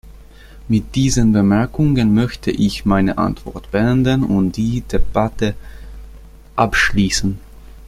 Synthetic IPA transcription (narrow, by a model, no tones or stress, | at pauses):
mɪt̚d̥iːzənbəmɛɐkʰʊŋənmœçtʰəʔɪçmaɪnəʔa̰ntv̥ɔ̰ɐtb̥əʔɛndənʊntd̥iːd̥eb̥atə | ʔapʃliːsn̩